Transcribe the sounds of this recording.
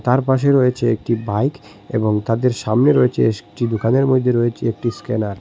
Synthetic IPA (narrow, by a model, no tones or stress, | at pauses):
t̪aɾpaʃeɾoet͡ɕʰeek̚ʈibajk | ḛboŋt̪ad̪eɾʃamneɾoet͡ɕʰeeʈid̪okaneɾmod̪ʱːeɾoet͡ɕʰeek̚ʈiskenaɾ